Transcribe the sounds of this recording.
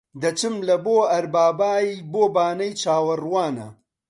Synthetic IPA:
d̪ɐt͡ʃɨmlɐboːɐɾbaːbaːiboːbaːnɐjt͡ʃaːwɐrwaːnɐ̰

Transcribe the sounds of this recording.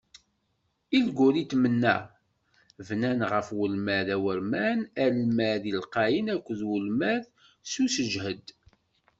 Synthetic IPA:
ilɡʷuɾit̪mənːæ̰ | vnænʁəfwəlmæðæwəɾmænælmæðilqɑjinækʷːəðwəlmæð | susəʒhəd̪

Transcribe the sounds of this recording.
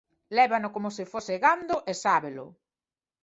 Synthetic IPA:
lɛβanʊkomʊsɪfosɪɣand̪ʊʔesaβelʊ̰

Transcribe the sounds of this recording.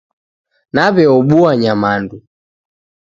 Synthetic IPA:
naβɛɔɓuaɲamandu

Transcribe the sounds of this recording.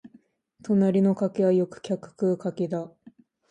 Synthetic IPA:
t̪o̞naɾʲino̞kake̞βajo̞kɯ̟̥kʲakɯ̟̥kɯ̟kaked̪a

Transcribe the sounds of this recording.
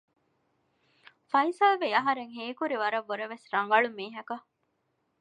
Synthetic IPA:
fɐisɐlʋeɐɦɐɾeŋɦeːkuɾiʋɐɾɐʋːoɾɐʋesɾɐŋɡɐɭumiːɦɐkɐ

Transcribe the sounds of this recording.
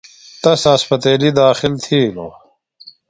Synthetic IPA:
t̪ɐsaspɐt̪eːlid̪aːxilt̪ʰiːlo̰

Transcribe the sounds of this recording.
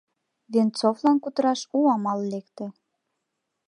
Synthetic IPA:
βent͡soflɑnkut̪əɾɑʃuɑmɑllekt̪ĕ

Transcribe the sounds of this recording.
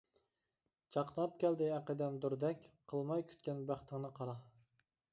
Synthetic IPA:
t͡ʃʰɑqnɑp̚kʲæld̪ɪæqəd̪ɛnd̪uɾd̪ɛkʲqʰəlˠmɑjkʲʰy̥t̪kʲɛnbæχt̪ʰɪŋnɨqʰɑɾɑ

